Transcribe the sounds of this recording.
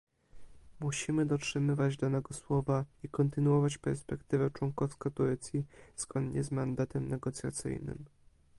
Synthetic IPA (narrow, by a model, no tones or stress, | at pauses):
muɕimɘd̪ɔtʂɘmɘvad͡ʑd̪anɛɡɔswɔvaikɔnt̪ɘnuɔvat͡ɕpɛɾspɛkt̪ɘvɛt͡ʂwɔŋkɔfskat̪uɾɛt̪sʲjiz̥ɡɔnd̪ɲɛzmand̪at̪ɛmnɛɡɔt̪sʲja̰t̪sɘ̰jnɘ̰m